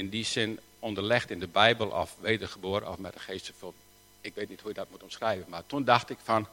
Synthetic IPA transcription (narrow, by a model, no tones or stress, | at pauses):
ɪndisɪn | ondərlɪxtɪndəbɛjbəlˠʔɔ̰fʋeːdərχəboəɾə̰nɔ̰fmɛtdəxeːstsəfɔn | ɪkʋeːtnithujədɔt̚mutomsrɛjvənmatundaxtɪkfɔn